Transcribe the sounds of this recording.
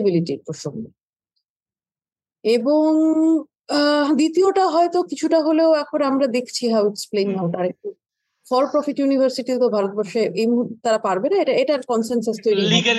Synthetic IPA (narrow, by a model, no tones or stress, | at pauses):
biliʈiɾpɾoʃoŋɡe | eboŋ | d̪it̪ioʈaɦɔet̪okit͡ɕʰuʈaɦoleoɛk̚pɔɾeamɾad̪ekʰt͡ɕʰiɦaweksplennawʈaɾek̚ʈu | fɔɾpɾɔfiʈjunibʱaɾsiʈit̪obʱaɾot̪̚bɔɾʃeʔejmut̪aɾapaɾbenaeʈaeʈaɾkɔnsensost̪ojɾin